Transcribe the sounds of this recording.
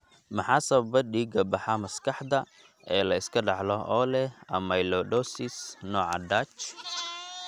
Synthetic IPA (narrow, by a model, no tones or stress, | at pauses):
mɐħɑːsɐβɐbɐɖiːɡɐbɑħɑmɐskʰɑħd̪ɐ | ʔɛːlɐɪskʰɐɖɑʕlɔʔɔlɛɐmɐjlɔɖɔːsɪsnɔːʕɑ̰ɖaːt͡ʃ